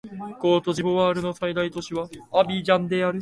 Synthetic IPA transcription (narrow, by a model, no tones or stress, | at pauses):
ɡ̥o̞ːt̪o̞ʑiboβaːɾɯ̟no̞said̪ait̪o̞ɕiβaːbʲid͡ʑãnd̪e̞aɾɯ̟